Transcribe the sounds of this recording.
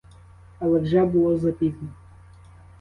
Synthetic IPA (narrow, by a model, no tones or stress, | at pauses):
ɐlˠɛwʒɛbʊlˠɔzɐpʲizʲnʲɔ